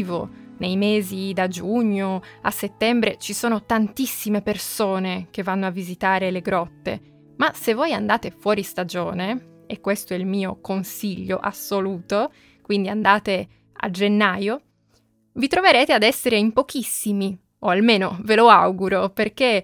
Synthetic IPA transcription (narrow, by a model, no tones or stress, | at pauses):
vo̰nejmeːzid̪ad͡ʒuɲːoa̰sːet̪ːɛmbɾet͡ʃisoːnot̪ant̪isːimepersoːnek̟evːanːoavːizit̪aːɾeleɡɾɔt̪ːḛ | masevːoːjand̪aːt̪efwɔːɾist̪ad͡ʒoːne | ekːwest̪oɛilmiːokonsiʎːo̰ʔa̰sːoluːt̪o | kwind̪iand̪aːt̪e | a̰d͡ʒenːaːjo | vit̪ɾoveɾeːt̪ead̪ɛsːeɾeimpok̟isːimi | oalmeːnoveloawɡuɾoperk̟e